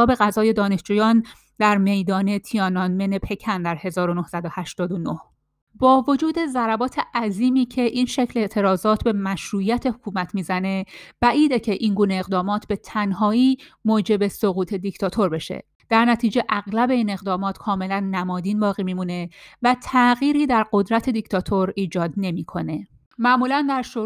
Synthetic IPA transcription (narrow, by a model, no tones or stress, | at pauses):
ɒːbe̞ɣæzɒːje̞d̪ɒːne̞ʃd͡ʒuːjɒːn | d̪̥æɾme̞jd̪ɒːne̞t̪ʰijɒːnɒnmenepʰe̞cʰænd̪æɾhe̞zɒːɾo̞nohsæd̪ohæʃt̪ɒːd̪o̞noh | bɒːvo̞d͡ʒuːd̪e̞zæɾæbɒːt̪ʰeʔæziːmiːcʰe̞ʔinʃecʰleʔt̪ʰe̞ɾɒːzɒːt̪ʰbe̞mæʃɾuːjæt̪ʰe̞hokʰuːmæt̪ʰmiːzæne̞b̥æʔiːd̪ecʰe̞ʔiːnɡuːneːɣd̪ɒːmɒːt̪ʰbe̞t̪ʰænhɒːiː | moːd͡ʒe̞be̞soɣuːt̪ʰe̞d̪ict̪ʰɒːt̪ʰo̞ɾbe̞ʃḛ | d̪̥æɾnæt̪ʰiːd͡ʒe̞ʔæɣlæbe̞iːne̞ɣd̪ɒːmɒːt̪kʰɒːme̞lænːæmɒːd̪iːnbɒːɣiːmimune̞væt̪ʰæɣiːɾiːd̪æɾɢo̞d̪ɾæt̪ʰe̞d̪ict̪ʰɒːt̪ʰo̞ɾiːd͡ʒɒːd̪ne̞miːkʰo̞ne̞ | mæʔmuːlænd̪æɾʃo